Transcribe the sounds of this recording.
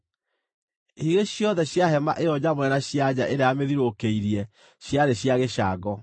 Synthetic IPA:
hiɣeɕjɔðɛɕjaɦɛma̰ʔeɔd͡ʑamwɛnaɕjad͡ʑaʔeɾeameðiɾokeiɾiɛ | ɕjaɾeɕjaɣeɕaːɡɔ

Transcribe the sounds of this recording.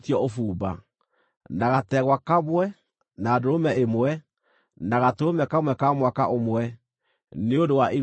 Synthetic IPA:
tiɔofuːba̰ | naɣatɛɣwakamwɛ | naːdoɾomɛemwɛ | naɣatoomɛkamwɛkamwakaʔomwɛ | neondowaʔi

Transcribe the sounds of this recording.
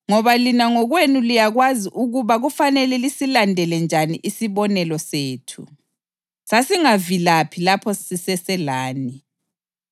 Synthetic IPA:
ŋɔβalinaŋɔɣwenulijaɣwaziʔuɣuβaɣufanɛlɛlisilandʱɛlɛnd͡ʒʱaniʔisiβɔnɛlɔseːtʰu | sasiŋavilapʰilapʰɔsisɛsɛlaːni

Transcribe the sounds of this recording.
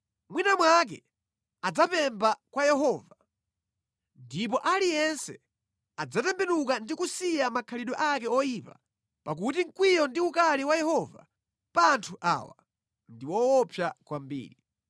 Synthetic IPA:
mwinamwak̬ɛ̰ | ad͡zapɛmbakwajɛɦɔːva | ndip̬ɔʔalijɛnsɛ | ad͡zatɛmbɛnukandikusijamakʰaliɗɔʔakɛɔjipa̰ | pak̬ut̬iŋ̩kwijɔndiukaliwajɛhɔva̰ | pantʰuʔa̰wa̰ | ndiwɔwɔpʰjakwambḭːɾi

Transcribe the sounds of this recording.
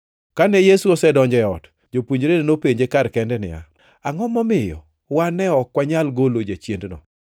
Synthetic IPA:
kanɛjesuɔsɛdɔɲd͡ʒɛɔt | d͡ʒopwuɲd͡ʒɾedenopeɲd͡ʒekaɾkɛndɛnɪ̰a̰ | aŋɔmɔmɪjɔ̰ | wanɛɔkwaɲalɡolod͡ʒat͡ʃjendnɔ̰

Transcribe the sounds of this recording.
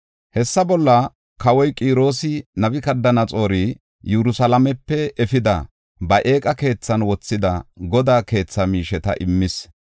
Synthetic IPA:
hɛsːɐbɔlːɐ | kɐwɔjkʼiːɾo̞ːsɪnɐbɪkɐd̪ːɐnɐt͡sʼo̞ːɾi | jɛɾʊsɐlɐmɛpːɛɛfɪd̪ɐ | bɐʔe̞ːkʼɐke̞ːt͡sːɐnwɔt͡sːɪd̪ɐɡɔd̪aːke̞ːt͡sːɐmiːʃɛt̪ɐ̰ʔɪmːɪs

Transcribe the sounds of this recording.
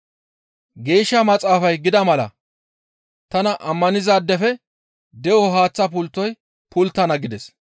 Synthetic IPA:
ɡe̞ːʃːɐmɐt͡sʼaːfɐjɡɪd̪ɐmɐlɐ̰ | t̪ɐnɐʔɐmːɐnɪzaːd̪ːɛfɛ | d̪ɛʔɔɦaːt͡sːɐp̬ʊlt̪ːɔj | pʊlt̪ːɐnɐɡɪd̪ɛs

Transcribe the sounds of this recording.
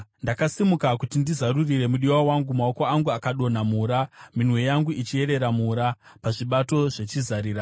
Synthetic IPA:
ndakasimukakutindizaɾurire̞muɗiwawaŋɡumao̞ko̞aŋɡuakaɗo̞namuɾaminwe̞jaŋɡuit͡ʃie̞ɾe̞ɾamuɾa | paʐiɓato̞ʐe̞t͡ʃizaɾiːra

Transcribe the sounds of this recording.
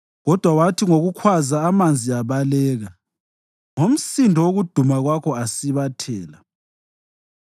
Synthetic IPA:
ɣɔd̥ʱwawatʰiŋoɣukʰwazaːmand͡zʱiaβalɛːɣa | ŋom̩sindʱɔwoɣud̥ʱumaɣwakʰɔasiβatʰɛːla

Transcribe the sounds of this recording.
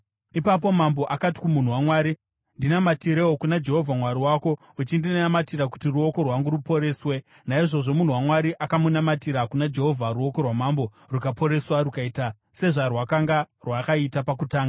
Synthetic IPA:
ipap̬o̞mambo̞ʔakati̥kumun̤uwamwaːɾi | ndinamatiɾeokunad͡ʒe̞ɦo̞vʱamwaɾiwaːko̞ | ut͡ʃindinnamatiɾaku̥tiruo̞ko̞rwaŋɡuɾupo̞ɾe̞ːswe̞ | naiʐo̞ʐo̞mun̤uwamwaɾiʔakamunamatiɾakunad͡ʒe̞ɦo̞vʱaɾuo̞ko̞rwamambo̞ | rukapʰo̞ɾe̞swaɾukaiːta | se̞ʐarwakaŋɡa | rwakaitapakutaːŋɡa

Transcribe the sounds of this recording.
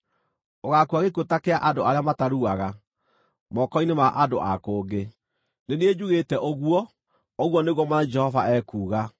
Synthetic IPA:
oɣakuaɣekotakeaʔandoaɾeamataɾuaɣa | mɔkɔinemaʔandoʔa̰koːɡe | neneed͡ʑuɣetɛʔoɣwɔ | oɣwɔneɣwɔmaad͡ʒɛhɔvaɛkuːɣa

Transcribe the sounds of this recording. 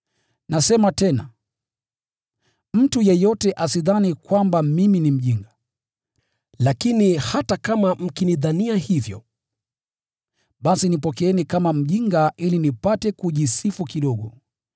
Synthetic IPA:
nasɛmatɛna | m̩tujɛjɔtɛʔasiðanikwambamiminim̩ʄiŋɡa | lakinihatakamam̩kiniðaniahivjɔ̰ | ɓasinipɔkɛɛnikamam̩ʄiŋɡaʔilinipatɛkuʄisifukiɗɔɠɔ

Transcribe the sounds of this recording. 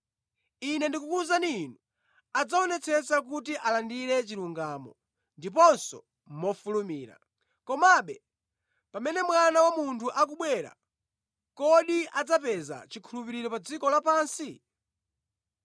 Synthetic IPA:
inɛndikukuzaninu | ad͡zaɔnɛt͡sʰɛsak̬utiʔalandiɾɛt͡ʃiluŋɡaːmɔ̰ | ndipɔnsɔ̰ | mɔfulumiːɾa̰ | kɔmaɓɛ | pamɛnɛmwanawamuntʰuʔak̬uɓwɛɾa̰ | kɔɗiad͡zapɛza̰t͡ʃikʰulupiɾiɾɔpad͡zikɔlapaːnsi

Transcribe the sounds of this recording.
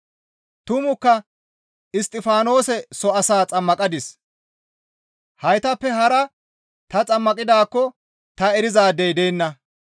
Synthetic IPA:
t̪ʊmʊkːɐ | ɪst̪ʼːɪfaːno̞ːsɛsɔɐsaːt͡sʼɐmːɐkʼɐd̪ɪs | hɐjt̪ɐpːɛɦɐɾɐ | t̪ɐt͡sʼɐmːɐkʼɪd̪aːkːɔ | t̪ɐɛɾɪzaːd̪ɛjd̪eːnːɐ

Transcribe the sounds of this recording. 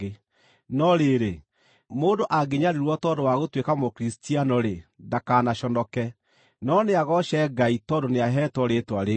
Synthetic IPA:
e | nɔɾeɾe | moːndoʔaɡeɲaɾeɾwɔtɔdowaɣotwekamokɾistianɔɾendakaːnaʃɔndɔkɛ | nɔneaɣɔʃɛɡaitɔdoneaɦɛtwɔɾetwaɾe

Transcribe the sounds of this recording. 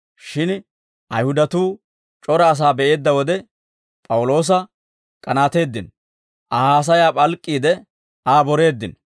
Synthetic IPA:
ʃɪn | ʔɐjhʊd̪ɐt̪uː | t͡ʃʼɔɾɐːs̬aːbɛʔe̞ːd̪ːɐwɔd̪ɛ | pʼɐwʊlo̞ːs̬ɐ | kʼɐnaːt̪e̞ːd̪ːɪn | ʔɐhaːs̬ɐjaːpʼɐlkʼːiːd̪ɛ | aːbɔɾe̞ːd̪ːɪn

